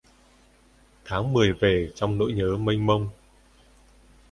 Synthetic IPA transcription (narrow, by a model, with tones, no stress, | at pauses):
t̪ʰaː˨˦ŋmɨ˨˩əjve˨˩t͡ɕɔ˧wŋ͡mno̰˧˥jɲəː˨˦mə˧jŋmə˧wŋ͡m